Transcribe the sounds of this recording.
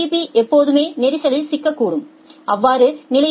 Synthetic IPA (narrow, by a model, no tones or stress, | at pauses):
ipiʔɛpːoːðɯmeːnɛɾɪsɐlɪlsɪkːɐkːuːɽɯm | ʔɐʋːaːɾɯnɪlɐ